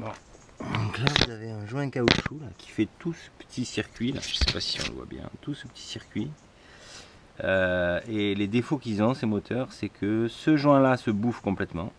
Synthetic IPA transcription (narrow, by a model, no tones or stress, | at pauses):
bɔ̰̃ | ɔ̃klavuzaveɛ̃ʒwɛ̃kaoʃulakʰʲi̥fɛt̪usə̥pə̥t̪ʰisiʁkʲɥila̰ʒəsɛpasiɔ̰̃lə̰vwa̰bjɛ̰̃t̪usəpə̥t̪ʰi̥siʁkʲɥi | øeled̪efokilzɔ̃semɔt̪ʰœʁsɛkʰəsəʒwɛ̃lasəbufkɔ̃plɛt̪mɑ̃